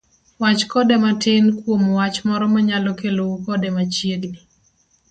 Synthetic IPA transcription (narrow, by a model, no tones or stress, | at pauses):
wat͡ʃkɔdɛmatɪnkwomwat͡ʃmɔɾɔmaɲalɔkeloukɔdɛmat͡ʃjeɡni